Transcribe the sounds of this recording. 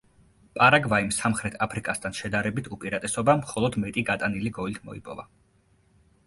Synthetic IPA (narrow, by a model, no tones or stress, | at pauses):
pʼaɾaɡvaimsamχɾɛt̪ʰapʰɾikʼast̪ʰanʃɛd̪aɾɛbit̪ʰupʼiɾat̪ʼɛsɔbamχɔlˠɔd̪mɛt̪ʼiɡat̪ʼaniliɡɔlt̪ʰmɔ̰ḭpʼɔ̰va